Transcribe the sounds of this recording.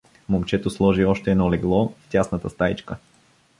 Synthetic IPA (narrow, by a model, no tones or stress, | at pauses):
momt͡ʃɛt̪oslˠɔʒiɔʃt̪ɛːd̪nɔlɛɡlˠɔft̪ʲasnət̪əst̪ait͡ʃkə